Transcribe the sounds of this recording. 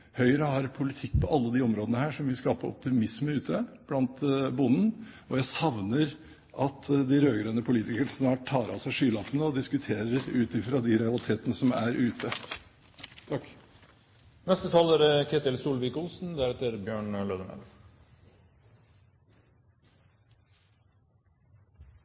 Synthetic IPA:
hœʏəɾəhɑɾpʰʊlɪt̪ʰɪkːpʰɔʔɑlːəd̪iːɔmɾoːd̪ənəhæːʂɔmʋɪlskɑːpəɔ̰p̚t̪ɪmɪsməʉːt̪ʰəb̥lɑnt̪bʊnn̩ | ɔjæɪsɑʋnəɾ | ʔɑt̪d̪ɪɾøːɡɾøːnəpʰʊliːt̪ɪkəsnmhɑʈʰɑːɾɑ̰sæɪʂyːlɑfənəɔd̪ɪskʉt̪ʰeːɾəɾʉːt̪ɪfɾɑd̪ɪɾɛɑlɪt̪ʰeːt̪ənəsɔmæɾʔʉːt̪ʰə | t̪ʰɑkː | nɛst̪ət̪ʰɑːlæɾɛkʰeːt̪ɪlsuːlʋɪkʊlsn̩d̪æɾɛt̪əɾbjøːɳløːd̪əmɛ̰l

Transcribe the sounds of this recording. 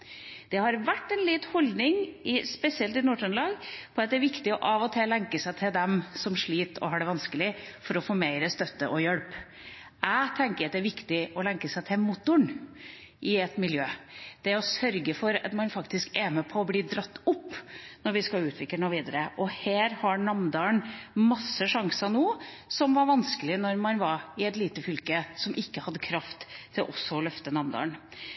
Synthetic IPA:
d̪̥ɛhɑɾʋæʈːɛnlɪt̪hɔld̪nɪŋʔɪspɛsɪɛlt̪ɪnuːʈɔnlɑːɡpʰɔɑt̪d̪ɛæɾʋɪkt̪ɪɔʔɑʋɔt̪ʰɛlɛŋkəsæɪt̪ʰɪld̪ɛmsɔmʂɭiːt̪ɔ̰hɑːɖɛʋɑnskəlɪfɔɾɔfoːmeɪɾəst̪œt̪ːəʔɔjœɽp | æɪt̪ʰɛŋkəɾɑt̪̚d̪ɛæɾʋɪkt̪ɪɔlɛŋkəsæɪt̪ʰɪmʊt̪ːʊɳ | ʔɪɛt̪mɪljøːd̪̥ɛɔsœɾɡəfɔɾɑ̰t̪mɑnfɑkt̪ɪskɛmɛpʰɔːbliːd̪ɾɑt̪ːʊpːnɔɾʋɪskɑlʉːt̪ʰʋɪk̪ːəɳɔʋiːd̪əɾəʔɔhæːɾhɑnɑmd̪ɑːɳmɑsːəʂɑŋsɑnuːsɔmʋɑɾʋɑnskəlɪnɔɾmɑnʋɑɾɪɛt̪liːt̪əfʏlkəsɔmʔɪkːəhɑd̪ːəkʰɾɑft̪ʰːɪlʔɔsːɔɔlœft̪ənɑmd̪ɑ̰ːɳ

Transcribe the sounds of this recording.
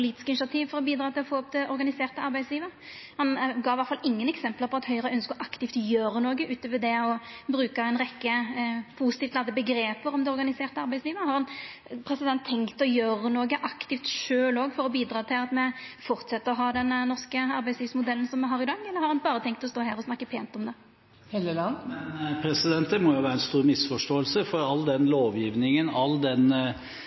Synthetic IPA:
pʊliːt̪ɪ̥skəɪnʂɑt̪ʰiːʋfɔɾɔbiːd̪ɾɑːt̪ɪlɔfoːɔp̚t̪ʰɪʔɔɾɡɑnɪseːʁt̪əɑɾbæɪsliːʋəhɑnɡɑːɪʋɑɾt̪fɑlɪŋːənɛksɛmpləpʰɔɑt̪hœʏəʁəœnskəɔʔɑkt̪ɪft̪jøːɾənoːɡəʔʉːt̪əʋɛd̪ɛɔbɾʉːkɑɛɪnʁɛkːəpʰʊsɪt̪ift̪lɑd̪əbəɡɾeːpəɾɔmd̪ɛɔɾɡɑnɪseːʁt̪əɑɾʁbæɪtsliːʋəhɑɾhɑnpʰɾɛsɪd̪ɛnt̪ʰːɛŋkt̪ɔjøːɾənoːɡəʔɑkt̪ɪft̪ʃøːloːɡfɔɾɔbiːd̪ɾɑːt̪ʰɪlɑt̪mɛfɔʁt̪sɛt̪ːəɾɔɦɑːd̪ɛnnɔʁskəɑɾbæɪsliːʋsmʊd̪ɛlːən̩sɔmːɛɦɑːʁɪd̪ɑɡːɛlːəɾhɑɾhɑnbɑːʁət̪ʰɛŋkt̪ɔst̪oːɦæːɾɔsnɑkːəpʰeːnt̪ɔmd̪ɛ | heləlmɛnpʰɾɛsɪd̪ɛnt̪̚d̪ɛmɔjʊʋæːɾəɛnst̪uːɾmɪsfɔʂʈoːəlsəfɔɾɑlːd̪ɛnloːʋjiːʋnɪŋənɑld̪ɛn

